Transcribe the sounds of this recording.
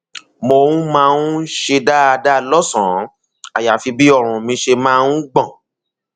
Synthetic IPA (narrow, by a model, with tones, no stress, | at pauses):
mo˧wũ˦mãː˧nũ˦ʃe˧da˦a˧da˦lɔ˦sɔ̃˨˦ | a˨ja˨fi˧bi˦ɔ˦˨ɾ̃ũ˨mĩ˧ʃe˧mãː˧ũ˦ɡ͡bɔ̃˦˨